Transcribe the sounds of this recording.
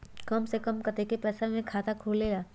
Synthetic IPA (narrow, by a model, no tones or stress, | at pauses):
kɐmsekəmkɐt̪ekepɛːsamẽkʰaːt̪akʰuːlːeːlaː